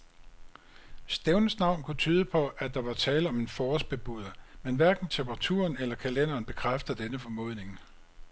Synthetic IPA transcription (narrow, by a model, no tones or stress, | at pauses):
sd̥eʊnsnɑ̈ʊ̰nkʰut͡sʰyːð̞ˠəpʰɒ̽ʔæd̥ɑ̈ʋɑ̈t͡sʰɛːləɒ̽me̝nfɒːsb̥e̝b̥uð̰ˠɐmenʋæɐɡ̥n̩t͡sʰempʰʁɑ̈t͡sʰṵːɐnelɐkʰælen̰ɐːnb̥e̝kʰʁafd̥ðd̥enəfɒ̽mɔ̝̰ðˠne̝ŋ